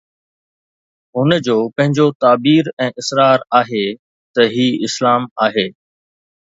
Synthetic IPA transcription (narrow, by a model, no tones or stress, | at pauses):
ɦʊnəd͡ʑoːpɐ̃ɦɪ̃ɲd͡ʑot̪aːbiːɾɛ̃ːʔɪsɾaːɾaːɦe | t̪ɐɦiːɪslaːmaːɦeː